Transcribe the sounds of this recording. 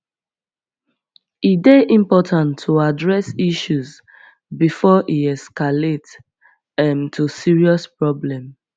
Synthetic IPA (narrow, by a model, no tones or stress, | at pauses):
ideʔĩmpɔtʰãntʰːuadɹɛsiʃuz | bifɔʔiɛskalet | ɛ̃mtʰusiɹiɔspɹɔblɛ̃m